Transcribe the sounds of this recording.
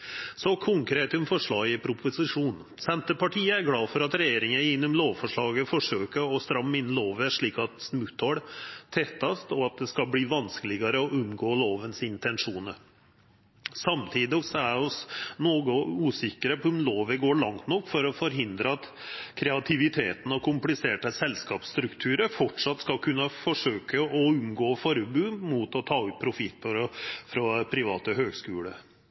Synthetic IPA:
sɔkʰʊŋkɾeːt̪ʊmfɔʂɭɑːɡɪpʰɾʊpʰʊsɪʂuːn | sɛnt̪əpɑʈʰiːəæɾɡlɑːfɔɾɑt̪ɾɛjeːɾɪŋəɪnːʊmloːʋfɔʂɭɑːɡəfɔʂøːkəɾɔst̪ɾɑmːɪnːəloːʋæʂɭiːkɑt̪smʉt̪ʰɔɽt̪ʰɛt̪ːɑst̪ɔɑt̪̚d̪ɛskɑlbɽiːʋɑnskəlɪɡɑɾəɔʔʉmɡoːloːʋənsɪnt̪ɛnʂuːnə | sɑmt̪ʰiːd̪ɪsɔæɾɔsnoːɡəʉːsɪkːəɾəpʉmloːʋəɡoːɭɑŋt̪nɔkːfɔɾɔfɔɾɦɪnd̪ɾəɑt̪kʰɾɛɑt̪ʰɪʋɪt̪ʰeːt̪ən̩ɔkʰʊmplɪseːʈəsɛlskɑːpst̪ɾʉkt̪ʰʉːɾəfɔʈʂɑt̪ːskɑlkʰʉnːəfɔʂøːkəɔʉmɡoːfɔɾbʉːmut̪ɔt̪ʰɑːʉp̚pʰɾʊfɪt̪ːfɔɾfɾɔpʰɾɪʋɑːt̪əɦøːɡskʉːlə̰

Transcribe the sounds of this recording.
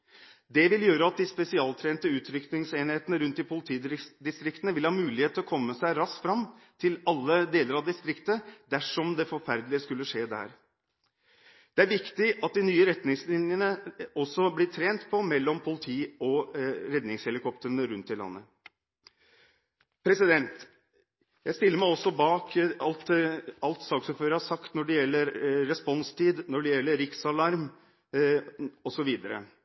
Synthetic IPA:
d̪ɛʋɪljøːɾəɑt̪̚d̪ɪspɛsɪɑːlt̪ʰɾeːnt̪əʉːt̪ʰɾʏkt̪ɪŋseːnheːt̪ənəɾʉnt̪d̪ɪpʰʊlɪt̪ʰiːd̪ɪst̪ɾɪkt̪ənəʋɪlhɑːmʉːlɪheːt̪ʰɔkʰɔmːəsæɪɾɑsfɾɑmːt̪ʰɪlɑlːəd̪eːləɾɑd̪ɪst̪ɾɪkt̪əd̪æʂɔmd̪ɛfɔɾfæɾd̪lɪəskʉlːəʂeːd̪æ̰ːɾ | d̪̥ɛæɾʋɪkt̪ɪʔɑt̪̚d̪ɪnyːəɾɛt̪nɪŋslɪnjənəɔsːɔblɪʈ̪ʰɾeːnt̪pʰɔmɛlːɔmpʰʊlɪt̪ʰiːɔɾɛd̪nɪŋshɛlɪkʰɔpt̪ənəɾʉnt̪̚ːɪlɑ̰nːə | pʰɾɛsɪd̪ɛnt̪ | jæɪst̪ɪlːəɾmæɪɔsːɔbɑːkɑlt̪ɑlt̪sɑːksʉɾføːɾəhɑʂɑkt̪nɔɖɛjɛlːəɾɾɛspɔnst̪ʰiːd̪nɔɖɛjɛlːəɾɪksɑlɑɾm | ɔsɔʋiːd̪əɾə̰

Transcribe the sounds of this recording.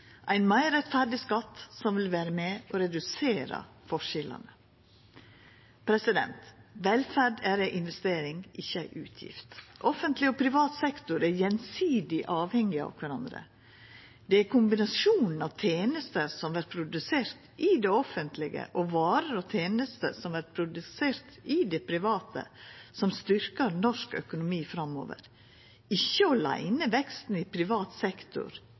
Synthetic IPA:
ʔæɪnmæɪɾɛt̪fæɖɪskɑt̪ːsɔmʋɪlʋæːɾəmɛɔɾɛd̪ʉseːɾɑ̰fɔʂɪlɑ̰nə | pʰɾɛsɪd̪ɛ̰nt̪ʋɛlfæɖæɾæʔɪnʋɛst̪eːɾɪŋʔɪçːəæɪʔʉːt̪ʰjɪ̰ft̪ʔɔfənt̪lɪɔpʰɾɪʋɑːt̪sɛkt̪ʊɾæɾjɛnsiːd̪ɪʔɑːʋhɛŋːɪɑ̰ʋkʰʋæɾɑnd̪ɾə̰ | d̪ɛæɾkʊmbɪnɑsuːnn̩ɑʋt̪ʰeːnəst̪əɾsɔmʋæɾpʰɾʊd̪ʉseːɾt̪ʔɪd̪ɛɔfənt̪ʰlɪɡə̰ʔɔʋɑːɾəɾɔt̪ʰeːnəst̪ə̰sɔmʋæɾpʰɾʊd̪ʉseːɾt̪ɪd̪ɛpʰɾɪʋɑːt̪ə̰sɔmst̪ʏɾkəɾnɔʂkœ̰kʊnʊmiːfɾɑmːo̰ːʋə̰ɾ | ɪçːəɔlæ̰ɪnəʋɛkst̪n̩ɪpʰɾɪʋɑːt̪sɛkt̪ʊ̰ɾ

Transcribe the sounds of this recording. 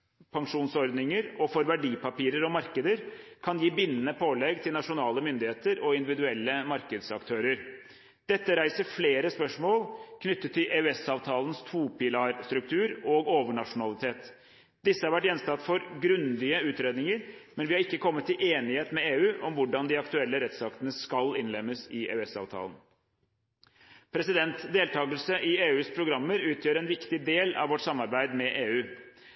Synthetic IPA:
pʰɑŋʂuːnsɔɾd̪nɪŋəɾɔfɔɾʋæɖiːpɑpiːɾəɾɔmɑɾkəd̪əɾkʰɑnjiːbɪnːənəpʰoːlɛɡt̪ʰɪlnɑʂʊnɑːləmʏnd̪ɪheːt̪əɾɔɪnd̪ɪʋɪd̪ʉɛlːəmɑɾkəd̪sɑ̰kt̪ʰøːɾəɾ | d̪̥ɛt̪ːəɾæɪsəɾfleːɾəspœʂmoːlkʰnʏt̪ːət̪ʰːɪlʔeːʉɛsɑːʋt̪ʰɑːlənst̪ʰuːpɪlɑːɾst̪ɾʉk̚t̪ʰʉːɾɔːɡoːʋəɳɑʂʊnɑlɪt̪ʰeːt̪ | d̪ɪsːəhɑɾʋæʈ̬jɛnst̪ɑt̪ːfɔɾɡɾʉnd̪ɪəʉːt̪ɾeːd̪nɪŋəɾmɛnʋɪhɑɾɪkːəkʰɔmːət̪ʰːɪlʔeːnɪheːt̪nmɛeːʉːʔɔmʋʊɖɑnd̪ɪɑkt̪ʉɛlːəɾɛt̪sɑkt̪ənəskɑlɪnlɛmːəsɪḛːʉɛsɑ̰ːʋt̪ʰɑ̰ːlən | pʰɾɛsɪd̪ɛnt̪d̪eːlt̪ʰɑːɡəlsəʔɪeːʉːspʰɾʊɡɾɑmːəɾʉːt̪ʰjøːɾɛnʋɪkt̪ɪd̪eːlɑ̰ʋɔʈːsɑmːɑɾbæɪd̪mɛʔeːʉː

